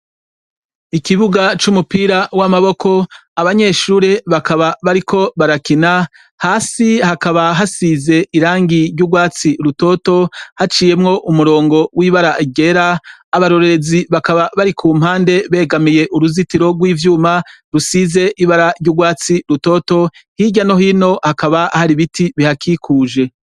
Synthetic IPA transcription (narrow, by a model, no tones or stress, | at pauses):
ikiβuɡat͡ʃumupiːɾawamaβo̞ko̞aβaɲe̞ʃuːɾeβakaβaβaɾikʰo̞βaɾakina | haːsihakaβaɦasiːze̞ʔiɾaːŋɡiɾɟuɡwaːt͡siɾuto̞ːto̞hat͡ʃiːje̞mŋo̞ʔumuɾo̞ːŋɡo̞wʔiːβaɾaʔiɡe̞ɾaːβaɾo̞ɾe̞ɾe̞ziβakaβaβaɾikʰuːm̥haːnde̞βe̞ːɡamije̞ʔuɾuzitiɾo̞ɡwiːvjuːmaɾusiːze̞ʔiβaɾaɾɟuɡwaːt͡siɾuto̞ːto̞hiɟano̞ɦiːno̞hakaβahaɾiβitʰiβihakʰiːkʰuːʒe̞